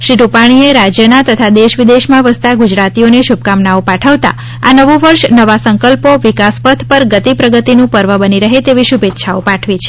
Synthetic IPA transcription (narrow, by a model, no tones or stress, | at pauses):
ʃɾiɾupaɽ̃ieɾad͡ʒjənat̪ət̪ʰad̪eʃʋid̪eʃmãʋəst̪aɡud͡ʒɾat̪ioneʃub̚kamnaopaʈʰəʋt̪a̰ | anəʋoʋəɾʃnəʋasə̃ŋkəlpoʋikaspəd̪ʰʱpəɾɡət̪ipɾəɡət̪inũpəɾʋəbəniɾəɦet̪eʋiʃubʱet̪ːʃʰaopaʈʰʋit͡ʃʰe̥